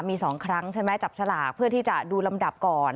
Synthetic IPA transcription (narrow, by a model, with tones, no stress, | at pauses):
miː˧sɔː˩˦ŋkʰɾa˦˥ŋt͡ɕʰa˥˩mɛ˦˥t͡ɕa˨˩p̚sʰa˧laː˨˩k̚pʰɯ˥˩ɐt̪ʰiː˥˩t͡ɕa˨˩duː˧la˧mda˨˩p̚kɔː˨˩n